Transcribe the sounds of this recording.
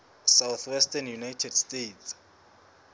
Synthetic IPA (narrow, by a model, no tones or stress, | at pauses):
sawθwɛstanjunajtʰɛd̥stet